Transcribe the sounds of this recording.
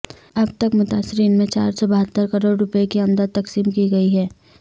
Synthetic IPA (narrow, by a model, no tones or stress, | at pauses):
ɐb̚t̪ɐkmʊt̪aːsɪɾiːnmẽt͡ʃa̰ːɾsɔbɐɦət̪ːəɾkɐɾoːɖɾʊpekiɐ̃md̪əd̪̚t̪ːɐksiːmkiɡɐiɦɛː